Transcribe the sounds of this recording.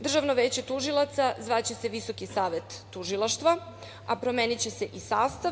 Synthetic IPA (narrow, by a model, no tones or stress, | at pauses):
d̪r̩ʒaʋno̞ʋe̞ːt͡ɕe̞t̪uʒilˠat̪sazʋat͡ɕe̞se̞ʋiso̞kisaːʋe̞t̪ːuʒilˠaʃt̪ʋa | apɾo̞meːnit͡ɕe̞se̞ʔisaːst̪a